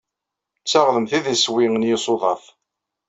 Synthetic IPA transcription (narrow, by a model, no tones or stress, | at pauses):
t͡sːɑʁðəmθiðəswiŋənjɪsˤoðˤɑθ